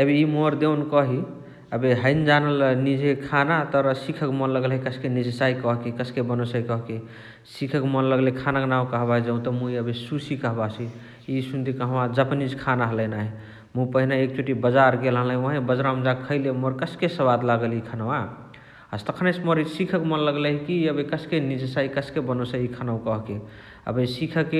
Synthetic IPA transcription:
əbiimoɾd̪ewnkɔɦi | əbeɦəɪnd͡ʒanəlnid͡ʒʱekʰanat̪əɾsikʰəkmɔnləɡəlɦikəsʰkenid͡ʒsaikəɦkikəskebənosaikɔɦke | sikʰəkmənləɡlekʰanaknawkəɦbaɦd͡ʒeũt̪ɔmũiəbesusikəɦbasʰi | isund̪ikəɦəwad͡ʒəpnid͡ʒkʰanaɦələjnaɦi | mũpəɦinaek̚t͡ʃʰoʈibəd͡ʒaɾɡelɦələĩoɦẽbəd͡ʒɾamd͡ʒakʰəɪlemoɾkəskesəβad̪laɡəlikʰanawa | əst̪əkʰənesmoɾisikʰəkmənləɡleɦkiəbekəskenid͡ʒəsaikəskebənosəikʰənawkəɦke | ə̰besikʰəke

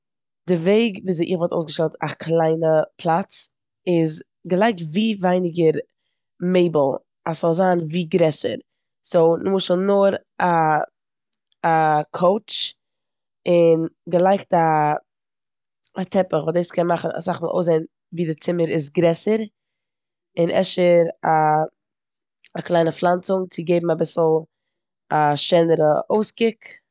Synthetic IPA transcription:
d̥ɪveɪɡviːzʔɪχvɔlˠto̰ʊsɡəʃtɛlˠtakʰlˠaɪnəpʰlˠat͡s | ɪz | ɡəlˠaɪk̚tviːvaɪnɪɡəɾ | meɪbl̩ˠ | asz̥ɔlˠzaːnviːɡɾɛsə̰ɾ | soʊnmʊʃəlnʊɾ | a | kʰoʊt͡ʃ | ɪnɡəlˠaɪkta | atʰɛpəχvuːdeɪskʰɛnmaχn̩a̰saχvɪʔo̰ʊs̬zeɪn | viːdɪt͡sɪməɾɪs̬ɡɾɛsəɾ | ɪnʔɛ̰ʃəɾa | aklˠaɪnəflˠant͡sʊŋt͡sɪɡeɪbm̩abɪsl̩ˠ | aʃɛnəɾəʔoʊskɪk

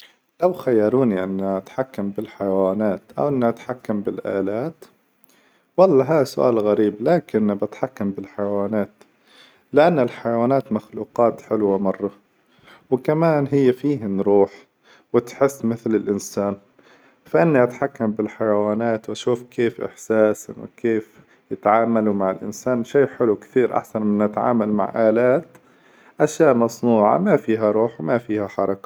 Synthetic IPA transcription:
lawxajːɑɾˤuːniʔɪnːaʔat̪ħakːambɪlħajawaːnaːt̪ʔa̰wʔɪnːiʔat̪ħakːambɪlʔa̰ːlaːt̪ | wɑlˤːɑɦaːasʊʔa̰ːlɣaɾiːblaːkɪnbat̪ħakːambɪlħajawaːnaːt̪ | lɪʔanːɪlħajawaːnaːt̪maxluːqɑːt̪ħɪlwamɑrˤːɑ | wɪkamaːnɦɪjːafiːɦanɾuːħ | wɪt̪ħɪsːmɪθlɪlʔɪnsaːn | faʔɪnːiʔat̪ħakːambɪlħajawaːnaːt̪wʔaʃuːfkʰeːfʔɪ̰ħsaːswɪ̰kʰeːf | jɪt̪ʕaːmalumaʕɪlʔɪ̰nsaːnʃeːħɪlukt̪iːɾʔa̰ħsanmɪnʔat̪ʕa̰ːmalma̰ʕʔaːlaːt̪ | ʔaʃjaːʔmɑsˤnuːʕa̰mafiːɦaɾˤuːħwɪmafiːhaħɑɾˤɑkḁ

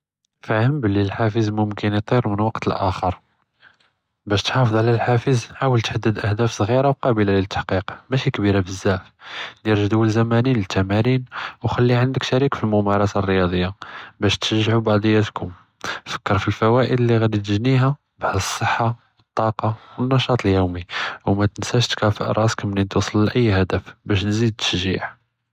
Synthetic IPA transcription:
fahəmblilħafəzmʊmkənit̪ˤiɾmənwɑqt̪əlʔæ̰xəɾˤ | bæʃt̪ħɑfəd̪ˤʕlælħafəzħawəlt̪ħad̪ːəd̪ʔæhd̪æfsˤɣiɾawqɑbəlalit̪ːḁħqiqmæʃikbiɾabəzːæʕfd̪iɾʒd̪uwəlzæmæninlət̪ʰːæmæɾinwxælːiʕənd̪əkʃæɾikfilmʊmɑɾˤɑsarːəjɑd̪ˤəjːabæʃt̪ʃəʒːʕubɑʕd̪ˤəjːæt̪kʰʊm | fə̥kːəɾˤfilfæwæʔəd̪lːiɣæd̪it̪̬əʒniɦæ | baʕd̪əsˤːəħːa | wət̪ˤːɑqɑwənːɑʃɑt̪ˤljuwmiwmæt̪ənsæʃt̪kæfəʔɾˤʔɑskæmnint̪usˤəlːʔəjːhæd̪əfbæʃnzid̪̚t̪ə̥ʃʒḭʕ

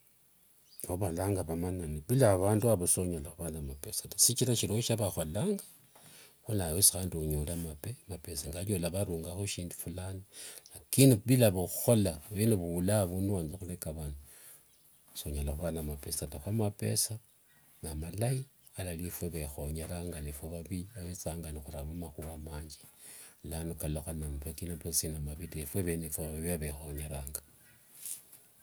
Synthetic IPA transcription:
oβalaːŋɡaβamananiβilaβaːnduaβasoɲalaxuβanamapesḁtasit͡ʃiɾaʃiɾoʃaβaxolaːŋɡḁ | xunajesi̥xaːndɲulamapemapesaŋɡaljolaβaɾuːŋɡaxoʃiːndu̥fulanilakinuβilaβuxuxolaβinuβuulaβunuwaːnzaxulekaβaːndu | soɲalaxuβanamapesataxwamape̞̰sa | namalai | alalifweβexo̞ɲeɾaːŋɡalifweβaβiaβet͡saːŋɡanixuɾamamaxuwamaːɲd͡ʒi̥lanukaloxanamufekinoposinamaβidifweβenefweβaβiβiaβexo̞ɲeɾaːŋɡa

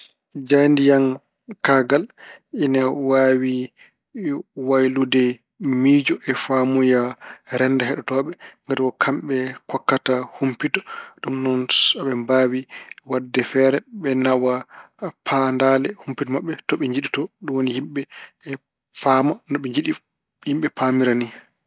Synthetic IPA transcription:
d͡ʒajndijan | kaɡalinawawi | wajludɛ | mid͡ʒɔʔɛfamujaɾɛndaɦɛɗɔtɔɓɛŋɡatiɡɔkʰamɓɛkɔkːatahumpitɔɗumnɔnaɓɛmbaːwiwadːɛfɛɾɛɓɛnawa | pʰandalɛhumpitɔmaɓːɛtɔɓɛɲd͡ʒiɗitɔɗumwonihimɓɛ | famanɔɓɛɲd͡ʒiɗi | himɓɛpamiɾani

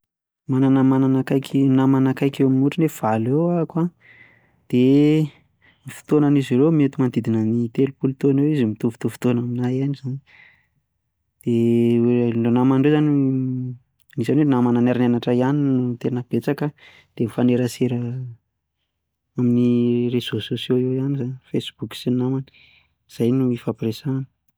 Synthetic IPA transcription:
mananəmananakajkʲʰinamanakajkewaminuʈ͡ʂunev̥alewakwa | d̪̥e | mifi̥t̪onaniziɾemet̪umand̪id̪inənit̪elupulut̪onewizimit̪ufu̥t̪uvu̥t̪onaminajaniz̥ani | d̪̥eelonamanɳɖ͡ʐezani | nizanwenamananaɾinanaʈ͡ʂaianinut̪enəb̥et͡sakə | d̪̥emifaneɾəseɾə | aminirez̥ososjoewanizanfesb̥uksinamani̥ | iz̥ajnuifapresani̥

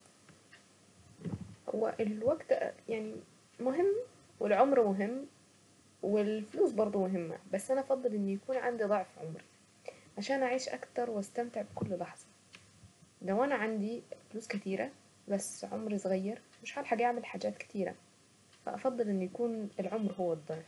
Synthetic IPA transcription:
ho̰wːæ̰ʔelwæɡt̪jaʕni | mʊɦɪmː | wɪlʕomɾmʊɦɪmː | wɪlfluːsbɑɾˤd̪ˤumʊɦɪmːæ̰bæsːʔænæʔɑfɑd̪ˤːɨlʔɪnːjakuːnʕa̰nd̪id̪ˤɑʕfʕomɾi̥ | ʕaʃæːnʔaʕiːʃʔæ̰kt̪ɑɾˤwʔæst̪æmt̪ɪʕbɪkʊlːlɑħz̥ˤɑ | læwʔænæʕand̪ifluːskæt̪iːɾæ | bæsːʕo̰mɾisˤɣæjːɑɾˤ | mɪʃħaːlħaɡʔaʕmelħaːd͡ʒæːt̪kɪ̥t̪ʰiːɾæ̰ | fæ̰ʔɑfɑd̪ˤːɨlʔɪnːujækuːnelʕomɾɦowːæd̪ˤːɑʕf

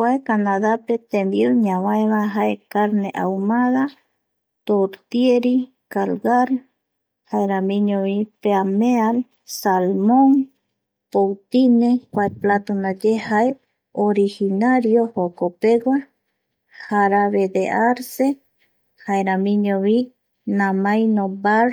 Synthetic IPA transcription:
kʷaekanaðapet̪ẽmbiuɲãwãeβaɦaekaɾneʔamaða | t̪oɾt̪jeɾi | kalɡaɾ | haeɾamĩɲõβipeameal | salmõŋ | powt̪inekʷaeplat̪unad͡ʒehae | oɾihinaɾjohokopeɡa | haɾaβed̪eʔaɾse | haeɾamĩɲõβi | nãmajnobaɾ

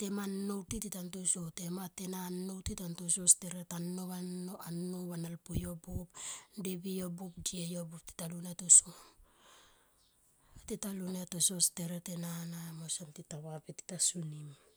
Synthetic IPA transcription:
te̞manːowtititantosote̞matenanːo̞wtitantososteɾetanːoβaoanːoβanalpojobopdebijobop̚diejobop̚ti̥talunetoso | atitalunetososteɾetenanamosantitaβapiti̥tasunim

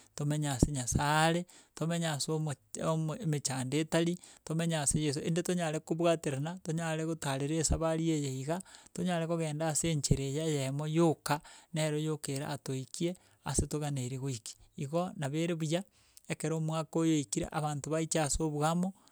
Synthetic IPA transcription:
tomeɲaseɲasaːɾetomeɲasommmet͡ʃaːndetaɾitomeɲasejes̬oḛndetoɲaɾekoβwateɾenatoɲaɾeɣotaɾeɾesaβaɾiejeiɣatoɲaɾekoɣeːndaːseɲt͡ʃeɾejajemojokaneɾojokeɾa̰ːtoikie | a̰setoɣaneɾeɣoiki̥iɣonaβeɾeβuja | ekeɾomwakojoikiɾḛʔaβaːntoβait͡ʃasoβwɣamo

